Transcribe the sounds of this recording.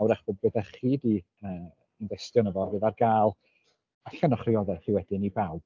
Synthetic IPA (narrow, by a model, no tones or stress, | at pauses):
wɾaχb̥oːd̚bɨðaχiːdi | əː | ɪnvɛstjɔnəvɔvɨðarɡaːlˠ | aɬanɔχrɪɔðɛχiwɛdɪnibawb̥̚